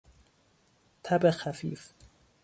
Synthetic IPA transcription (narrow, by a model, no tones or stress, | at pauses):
t̪ʰæbexæfḭːf